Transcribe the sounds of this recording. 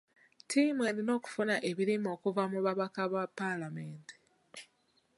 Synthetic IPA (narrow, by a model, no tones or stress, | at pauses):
tʰimwe̞ɾino̞ːku̥funaʔe̞βiɾimo̞ːkuvamuβaβakaβapːalame̞ːnti̥